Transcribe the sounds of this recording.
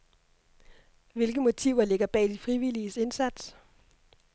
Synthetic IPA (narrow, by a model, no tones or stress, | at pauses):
ʋe̝lɡ̥əmo̝t͡sʰiʊ̰ɐle̝ɡ̥ɐb̥ɛ̰ːd̥ifʁiʋiliəse̝nsæd̥s